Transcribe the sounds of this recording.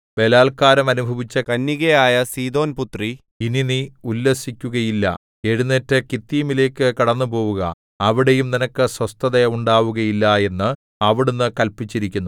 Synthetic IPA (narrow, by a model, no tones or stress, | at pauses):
be̞laːlkaːɾɐmɐnubʱɐʋit͡ɕːɐkɐnːiɣɐjaːjɐsiːd̪o̞ːnput̪ri | ininiulːesikʲːuɣɐjilːɐ̰ | e̞ɻunːetːɨkit̪ːiːmile̞ːkːɨkɐɽɐnːɨpo̞ːʋuɣɐ̰ | ɐʋiɽe̞jumninɐkːɨswɐst̪ʰɐðeuɳɖaːʋuɣɐjilːɐe̞nːɨ | ɐʋiɽunːɨkɐlpit͡ɕːiɾikʲːunːu